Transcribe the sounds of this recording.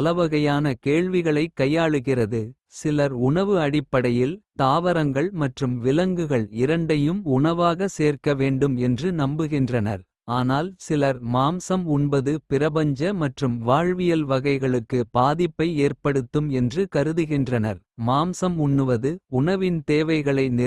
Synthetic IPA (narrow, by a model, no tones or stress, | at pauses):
ɐlɐʋɐɣɐjaːnɐkeːɭʋɪɣɐɭɐɪkːɐjːaːɭɯɣɪrɐðɯ | sɪlɐɾʊɳɐʋɯɐɽɪpːɐɽɐjɪlt̪aːʋɐɾɐŋɡɐɭmɐʈrɯmʋɪlɐŋɡɯɣɐɭɪɾɐɳɖɐjɯmʊɳɐʋaːɣɐseːrkɐʋeːɳɖɯmɛndrɯnɐmbɯɣɪndrɐnɐɾ | aːnaːlsɪlɐɾmaːmsɐmʊɳbɐðɯpɪɾɐbɐɲd͡ʒɐmɐʈrɯmʋaːɻʋɪjɐlʋɐɣɐɪɣɐɭɯkːɯpaːðɪpːɐɪeːrpɐɽɯt̪ːɯmɛndrɯkɐɾɯðɯɣɪndrɐnɐɾ | maːmsɐmʊɳnːɯʋɐðɯʊɳɐʋɪnt̪eːʋɐɪɣɐɭɐɪnɪ